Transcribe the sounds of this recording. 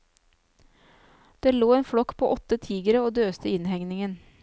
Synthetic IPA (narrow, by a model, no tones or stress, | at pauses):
d̪̥eːloːeːnfɽɔkpʰo̰ːʔɔt̪ːət̪ʰiːɡəɾəoːd̪øːst̪əɪnhɛŋnɪŋən